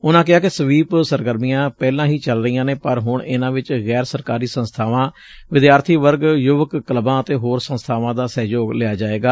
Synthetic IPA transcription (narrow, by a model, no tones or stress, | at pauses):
ʊnãːk̬ɪɦaːkɪsəʋiːpsəɾɡəɾmijãːpɛːlãːɦiːt͡ʃəlɾəijãːneːpəɾɦʊɳɪnãːʋɪt͡ʃɣɛːɾsəɾkaːɾiːsə̃nst̪ʰaːʋãː | ʋɪd̪jaːɾt̪ʰiːʋəɾɡjʊʋəkːələbãːət̪eːɦoːɾsə̃nst̪ʰaːʋãːd̪aːsɛːd͡ʒoːɡlɪaːd͡ʒaːeːɡaː